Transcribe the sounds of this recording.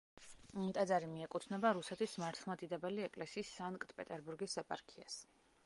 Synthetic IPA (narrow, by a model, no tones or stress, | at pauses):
mt̪ʼad̪zaɾimiɛkʼut̪ʰnɛbaɾusɛt̪ʰismaɾt̪ʰlˠmad̪id̪abɛliɛkʼlɛsiːsːaŋkʼt̪ʰʼpʼɛt̪ʼɛɾbuɾɡisɛpʼa̰ɾkʰias